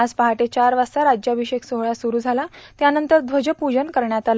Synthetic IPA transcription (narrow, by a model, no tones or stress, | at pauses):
ad͡zpaɦaʈet͡ɕaɾʋasaɾad͡ʑjabʱiɕeksoɦɭasuɾuːd͡zʱalat̪janənt̪əɾd̪ʋəd͡ʑəpud͡ʑənkəɾɳjat̪al